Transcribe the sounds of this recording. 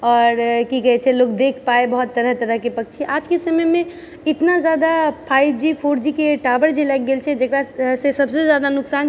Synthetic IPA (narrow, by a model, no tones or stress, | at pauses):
ɔːɾkikəɦɛt͡ʃʰɛlokd̪ekʰpaebəɦut̪ːəɾəɦt̪əɾəɦkepək̚t͡ʃʰiʔad͡ʒkesəməmẽ | ɪt̪nad͡ʒjad̪apʰajbd͡ʒipʰoɾd͡ʒikeʈabəɾd͡ʒelɛɡ̚ɡelt͡ʃʰɛd͡ʒekɾasesəbsed͡ʒjad̪anʊksaːn